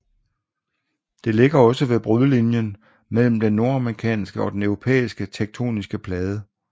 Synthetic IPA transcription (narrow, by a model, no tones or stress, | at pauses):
d̥e̝le̝ɡ̥ɐɒ̽səʋe̝b̥ʁyðˠlinjən | mel̰m̩d̥enːo̝ɐɑmʁikʰɛ̰ːnsɡ̥əɒ̽d̥enœʊʁo̝pʰḛːisɡ̥ət͡sʰeɡ̥̚t͡sʰo̝̰ːnisɡ̥əpʰlɛːð̞ˠə